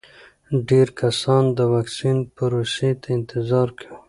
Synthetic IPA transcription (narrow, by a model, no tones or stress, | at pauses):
ɖeɾkasɑnd̪əwɑksinpaɾoset̪ʰaɪnt̪ɪzɑɾkʰa